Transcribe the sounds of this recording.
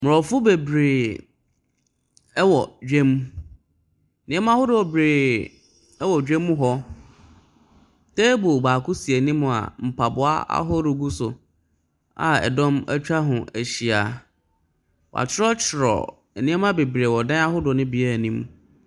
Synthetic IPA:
mʊ˨ɔ˨fʊ˦be˨bɾeː˨˦ | wɔ˨d͡ʑᶣẽ˦m˨ | nɪ̃˨˦ɛ˦mã˦hʊ˦dʊ˨ɔ˨bɾeː˨ | ɛ˦wɔ˨d͡ʑᶣẽ˦mː˦ʊ̃˦ɦɔ˦ | tʰeː˦bo˨baː˨kʊ˦si˨e˨nĩ˦m̃˨a̰˨m̩˨pʰa˨bʊ˨a̰˦a̰˦ɦɔ˦ɾʊ˨ɡu˦sʊ̰˨ | a̰˨ɛ̰˨dɔ̃˦mæ̰˦t͡ɕᶣa˦ɦʊ̃˨ʔæ˨ɕi˨a˨ | wa̰˨t͡ɕʰɪ˦ɾɔ˦t͡ɕʰɪ˨ɾɔ̰˨ | nĩ˦ɛ˦mã˦be˨bɾeː˨wɔ˨dã˦a˦hʊ˦dʊ˨nɪ̃˦bi˨ɛ˦˨nĩ˦m

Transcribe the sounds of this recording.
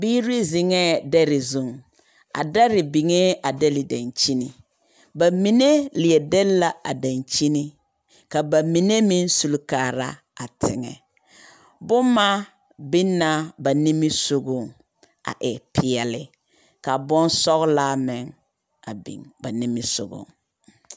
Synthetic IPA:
biː˦ɾi˦zɪ˨ŋɛ˦dɛ˦ɾɪ˨zu˦˨ŋ | a̰˨dɛ˦ɾɪ˨bi˨ŋe˦a˨dɛ˦lɪ˨da˨nt͡ʃi˦ni˨ | ba˨mi˨ne˦lɪ˨ɛ˨dɛ˦lla˨a̰˨da˨nt͡ʃi˦ni˦ | ka˨ba˨mi˨ne˦mi˦n˦su˨lkaː˨ɾa˦ | a˨tɪ̰˨ŋɛ̰˨ | bʊ˦mma˦ | bɪ˦na˦ba˨ni˦mɪ˦so˨ɡʊ˦˨ŋ | a̰˨ʔɪ˨pʰɪ˨ɛ˨lɪ˨ | ka˨bɔ˦n˦sɔ˦ɣla˦mɪ˨ŋ | a̰˨bḭ˨ŋba˨nɪ˦mɪ˦sʊ̰˨ɡʊ̰˨ŋ

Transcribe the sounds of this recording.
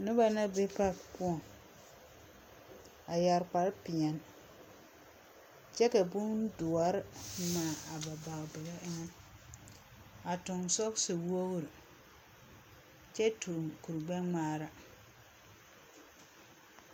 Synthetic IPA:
nʊ˦ba˨na˦be˦pa˦kpʊ˦ɔ˨ŋ | a˨ja˨ɾk͡pa˨ɾpɪ˨a˨n | t͡ʃɛ˦ka˨bʊ˦n˦dʊ˨a˨˦ɾmaː˨a˨ba˨ba˨ɣbɪ˨la˦ʔɪ˦ŋɛ˦ | a˨tʊ˨ŋsɔ˦ksɨ˨wo˦ɣɾɨ˨ | t͡ʃɛ˦tu˨ŋku˨ɾɡ͡ba˦ŋ͡maː˦ɾa˦

